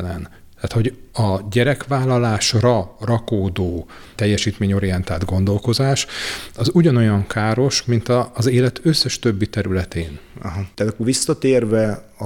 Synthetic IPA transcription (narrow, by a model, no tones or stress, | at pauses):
lɛn | t̪aːt̪ho̞ɟɒɟɛɾɛkʋaːlːɒlaːʃrɒrɒkoːd̪oː | t̪ɛjːɛʃiːt̪meːɲo̞ɾijɛnt̪aːd̪ɡo̞nd̪o̞lko̞zaːʃɒzuɟɒno̞jɒŋkʰaːɾo̞ʃmint̪ɒːzeːlɛt̪ʰø̞sːɛʃt̪ø̞bːit̪ɛɾylɛt̪eːnɒɦɒt̪aːt̪ɒkːovʋisːɒt̪eːrvɛ | ɒ